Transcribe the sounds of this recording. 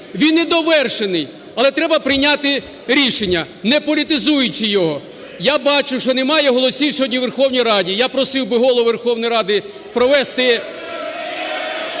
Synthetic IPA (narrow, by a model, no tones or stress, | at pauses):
ʋʲinːɛd̪ɔʋɛrʃenɪj | ɐlˠɛt̪ɾɛbɐpɾɪjnʲat̪ɪ | ɾʲiʃenʲːɐ | nɛpɔlʲit̪ɪzujʊt͡ʃɪjɔɦɔ | jabɑt͡ʃʊʃt͡ʃɔnemɑjɛɦɔlˠɔsʲiwsʲɔɦɔdʲnʲiʋerxɔwnʲijɾɑdʲijapɾɔsɪwbɪɦɔlˠɔʋerxɔwnɔjɾɑd̪ɪ | pɾɔʋɛst̪ɪ